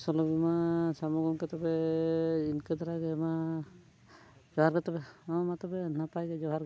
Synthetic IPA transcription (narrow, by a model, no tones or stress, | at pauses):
sɔlɔbimasamɔɡɔŋkɛt̪ɔbɛ | inkɛd̪aɾaɡɛma | d͡ʒɔɦaɾkɛt̪ɔbɛɔmat̪ɔbɛnapajɡɛd͡ʒɔɦaɾɡ